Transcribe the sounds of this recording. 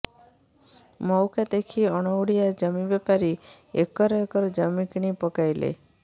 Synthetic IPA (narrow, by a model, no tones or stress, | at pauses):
mɔwkad̪ekʰiɔɽ̃ɔuɽijad͡ʒamibepaɾi | ḛkɔɾekɔɾd͡ʒamikiɽ̃ipɔkajlḛ